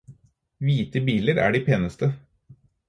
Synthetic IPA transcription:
ʋiːt̪əbiːləɾæ̰ːɖiːpʰeːnəst̪ə

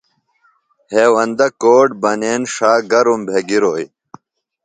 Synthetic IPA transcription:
heːwɐnd̪ɐkoːʈ̚bɐneːnʂaːɡɐɾumbʱeɡiɾoːj

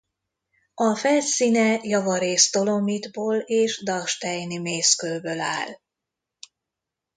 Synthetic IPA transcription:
ɒfɛlsiːnɛjɒvɒɾeːst̪o̞lo̞mid̪boːleːʒd̪ɒʃt̪ɛjnimeːskølbøla̰ːl

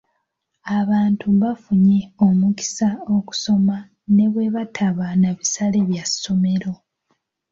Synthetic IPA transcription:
aβaːntʰuβafuɲe̞o̞muki̥sao̞ku̥so̞ma | ne̞βwe̞βatʰaβanaβisaleβjasːo̞me̞ɾo̞

